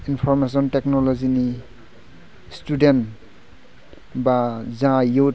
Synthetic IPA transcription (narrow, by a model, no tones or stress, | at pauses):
inpʰɔɾmes̬ɔntek̚nɔlɔzini | studen | bazãjot